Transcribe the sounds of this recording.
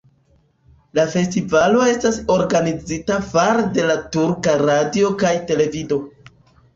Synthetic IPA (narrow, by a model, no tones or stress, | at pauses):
lafe̞stivalo̞e̞staso̞ɾɡanid͡zitafaɾde̞latuɾkaɾadio̞kajte̞le̞vido̞